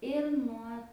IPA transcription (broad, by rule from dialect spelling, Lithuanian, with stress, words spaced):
ɪr ˈnuɔ